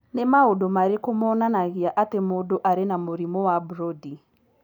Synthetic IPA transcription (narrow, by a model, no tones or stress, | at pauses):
nemaodomaɾekomɔnanaɣiaʔatemodoʔaɾenamoɾimɔwabɾɔdi